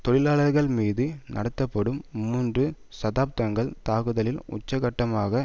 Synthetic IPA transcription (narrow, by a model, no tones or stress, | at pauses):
t̪ɔɭɪlaːɭɐɾɣɐɭmiːðɯnʔɐ̰ɽɐt̪ːɐpːɐɽɯmːuːndrɯ | sɐðaːp̚t̪ɐŋɡɐɭt̪aːɣɯðɐlɪlʊ̰t͡ʃːɐɣɐʈːɐmaːɣɐ